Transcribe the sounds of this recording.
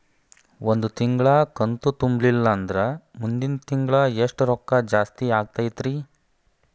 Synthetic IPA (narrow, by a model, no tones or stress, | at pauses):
wond̪ut̪iŋɡɭɐkɐnt̪ut̪umbɭilːɐːnd̪ɐɾɐmund̪int̪iŋɡɭɐeʂʈɾɔkːɐd͡ʒaːst̪iaːɡ̚t̪ajit̪ɾiː